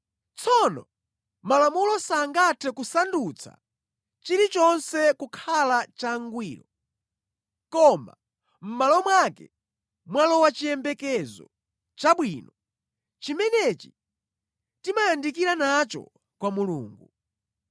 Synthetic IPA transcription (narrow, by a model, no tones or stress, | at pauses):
t͡sʰɔnɔ | malamulɔsaŋɡatʰɛkusandut͡sʰa̰ | t͡ʃiɾit͡ʃɔnsɛkukʰalat͡ʃaŋɡwiːɾɔ | kɔma̰ | m̩malɔmwaːkɛ̰ | mwalɔwat͡ʃijɛmbɛkɛzɔ̰ | t͡ʃaɓwiːnɔ | t͡ʃimɛnɛt͡ʃi̥ | timajandikiɾanat͡ʃɔ̰ | kwamulṵːŋɡu